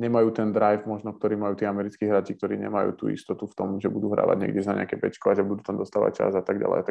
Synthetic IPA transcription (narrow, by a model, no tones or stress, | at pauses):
ɲɛmajuːt̪ɛnd̪ɾajfmɔʒnɔk̚t̪ɔɾiːmajuːt̪iːamɛɾit͡skiːɦɾat͡ʃik̚t̪ɔɾiːɲɛ̰majṵːt̪ṵːḭst̪ɔt̪uft̪ɔmʒɛbud̪uːɦɾa̰ːʋa̰ɟɲɛ̰ɡɟɛznaɲɛ̰a̰kɛpɛ̰t͡ʃkɔaʒɛbud̪uːt̪amd̪ɔst̪aːʋa̰c̚t͡ʃa̰zat̪aɡɟa̰lɛ̰ɪat̪a